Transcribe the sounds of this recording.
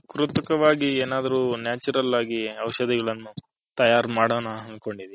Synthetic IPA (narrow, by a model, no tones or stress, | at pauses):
kɾut̪ɐkɐʋaːɡieːnaːd̪ɐɾuːnjaːt͡ʃuɾɐlaːɡiɐwʃɐd̪iɡɐɭɐnːu | t̪ɐjaːɾmaːɽɐːnɐɦɐnd̪ko̞ɳɖid̪e